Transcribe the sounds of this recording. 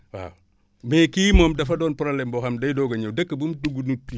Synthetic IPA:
wa̰ | mekiːmomdɐfɐdɔːnpɾoblembɔxɐmdɐjdoɡɐɲɐwdɐkːəbumduɡunutːi

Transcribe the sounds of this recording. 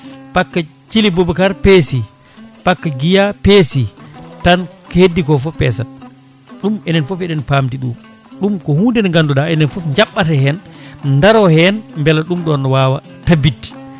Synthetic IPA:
pakːat͡ʃilibobukaɾpesi | pakːaɡijapesitankhedːikɔfɔpɛ̰san | ɗumɛnɛnfofɛɗɛnpaːmtiɗuː | ɗumkɔhuːndɛnŋɡanduɗaɛnɛnfofɲd͡ʒaɓːatɛhɛnndaɾɔhɛnmbɛlaɗumɗɔnwaːwa | tabitːi̥

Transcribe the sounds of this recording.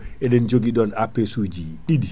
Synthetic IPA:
ʔɛɗɛnd͡ʒoɡiɗɔnapːesuːd͡ʒiɗidi

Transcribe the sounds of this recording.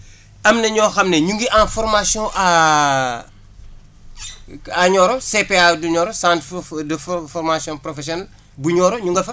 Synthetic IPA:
ɐmnɐɲɔːxɐmneɲuŋɡiʔãnfɔrmasjɔ̃ʔa | aɲɔːɾɔsepeaduɲɔːɾɔsãːntdffɔrmasjɔ̃nprɔfɛsjɔnɐl | buɲɔːɾɔɲuŋɡɐfɐ

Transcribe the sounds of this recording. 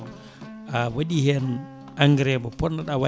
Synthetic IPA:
ɔ | awaɗihɛn | ʔaŋɡɾɛbɔpɔnːaɗawa

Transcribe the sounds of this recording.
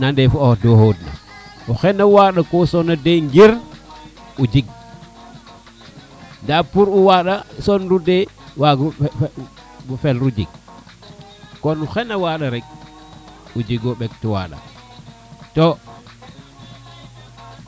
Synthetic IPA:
nandefuodohodna̰uxenawaːɗakosonadeŋɡiɾ | ud͡ʒiɡ̚ | ndapuɾuwaɗasonɾudewaɡ | bufelɾud͡ʒḭɡ̚ | konuxenawaːɗaɾeɡ̚ | ud͡ʒiɡoɓek̚tuwa̰ːɗa̰ | to

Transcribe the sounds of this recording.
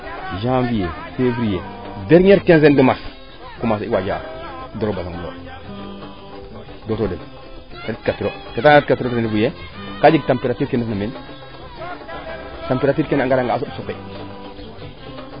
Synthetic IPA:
ʒamvijefevɾijedeɾɲeɾkenz̬endimas | kumasiwad͡ʒa̰doɾobasaŋunɾo̰ | dotodem | ɾt̚kapiɾo | ketaetkatiɾotenifuje | kad͡ʒiɡ̚tampeɾatiɾkenufnamen | tampeɾatiɾkenaŋɡaɾaŋɡas̬usukːe

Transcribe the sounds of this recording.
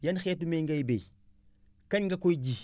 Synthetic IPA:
janxetumeŋɡajbej | kaɲŋɡakojd͡ʒi

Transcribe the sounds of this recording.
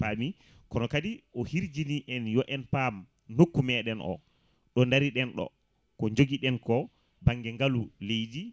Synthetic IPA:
pami | kɔnɔkadiɔhiɾd͡ʒiniʔɛnjɔʔɛnpam | nokːumɛɗɛnʔɔ̰ | ɗɔndaɾiɗɛnɗɔ̰ | kɔɲd͡ʒoɡiɗɛnkɔ | baŋɡɛŋɡalulejdi

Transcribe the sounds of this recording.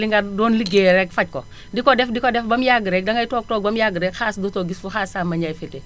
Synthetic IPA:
liŋɡɐdɔːnliɡɛːɾɛkfɐc̚kɔ | dikɔdɛfdikɔdɛfbɐmjaɡəɾɛk̚dɐŋɐjtɔːɡ̚tɔːɡ̚bɐmjaɡəɾɛkxaːsdutɔɡisfuxasaːmɐɲaːjfɛtɛ

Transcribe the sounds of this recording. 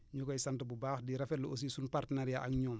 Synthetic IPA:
ɲukɔjsantəbubaːxdiɾɐfɛluos̬iːsunpartənaɾjaʔaŋɲɔːm

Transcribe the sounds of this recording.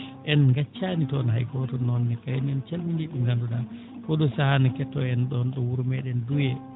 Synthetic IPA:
ʔɛnŋɡat͡ʃːanitɔnha̰jɡɔtɔnɔnːɛkajɛnɛnt͡ʃalmindiɗuŋɡanduɗa | kɔɗɔsahanakɛtːɔɛnɗɔnɗɔwuɾmɛɗɛndujɛ

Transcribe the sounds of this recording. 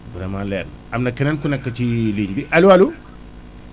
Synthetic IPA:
bɾɛmalɛn | ɐmnɐkːɛnɛnkunɛkːɐt͡ʃiliːɲbiʔɐlualu

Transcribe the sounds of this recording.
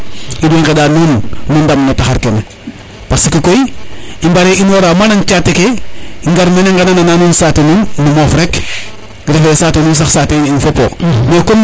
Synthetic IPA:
ideŋkedaːnunːundamnotaxaɾkene | paksikikoiimbaɾeʔinwoɾamanaŋt͡ʃatekeiŋɡaɾmeneŋɡananananuːnsatonuːnːumofɾek | ɡiɾefesaːtonuːns̬axsateninfopo̰mekom

